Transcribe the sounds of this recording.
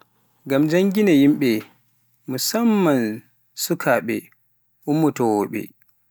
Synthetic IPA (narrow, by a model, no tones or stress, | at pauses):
ɡamd͡ʒaŋɡinajimɓɛ | musamːan | sukʰaɓɛ̰ | ʔumːutɔwɔɓɛ̰